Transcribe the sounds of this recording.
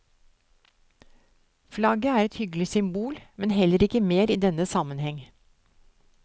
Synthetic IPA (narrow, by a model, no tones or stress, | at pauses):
flɑɡəæːɾɛt̪hʏɡlɪsʏmbuːlmɛnhɛləɾɪkəmeːɾiːd̪ɛnəsɑmənhɛŋ